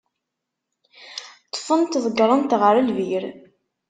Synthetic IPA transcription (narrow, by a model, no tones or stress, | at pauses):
t̪ːˤfənt̪ðˤəɡɾˤənt̪ʁəɾəlviɾ